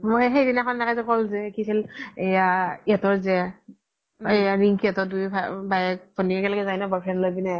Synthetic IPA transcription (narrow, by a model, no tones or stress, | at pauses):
moxejdinakʰɔnnakajzɛkɔlzɛkisilejaiɛtɔɹzɛ | ejaɹiŋkʰiɛtɔdupʰabajɛk̚bɔniɛkɛlakɛzajnɛbɔɹpʰɹɛnlojbina